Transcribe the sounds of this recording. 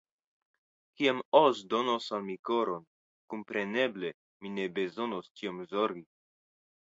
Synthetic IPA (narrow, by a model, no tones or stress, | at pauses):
kiamosd̪onosalmikoɾon | kumpɾe̞ne̞ble̞ | mine̞be̞zo̞nost͡ʃiomzoɾɡi